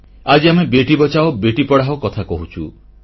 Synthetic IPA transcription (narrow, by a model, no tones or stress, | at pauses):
ad͡ʒiamebeʈibɔt͡ʃaobeʈipɔɽaɦokɔt̪ʰakɔɦut͡ʃʰu